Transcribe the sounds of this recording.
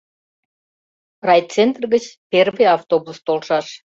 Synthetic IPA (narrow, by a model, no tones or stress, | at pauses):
rɑj̪t͡sent̪rɣət͡ɕpʲervəjɑft̪obust̪olʃɑʃ